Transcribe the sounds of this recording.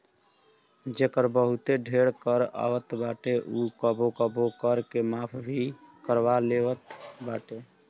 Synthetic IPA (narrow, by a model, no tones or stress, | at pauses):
d͡ʒekəɾbəɦut̪eɖʱeɽkəɾa̰wət̪baʈeʔukəbokəbokəɾkemapʰbʱikəɾʋaleʋət̪baʈe